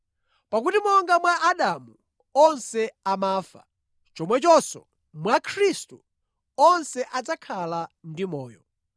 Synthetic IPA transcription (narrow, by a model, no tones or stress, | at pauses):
pakutimɔŋɡamwaʔaɗamu | ɔnsɛamaːfa̰ | t͡ʃɔmwɛt͡ʃɔsɔ̰ | mwakʰɾistu | ɔnsɛʔad͡zakʰalandimɔːjɔ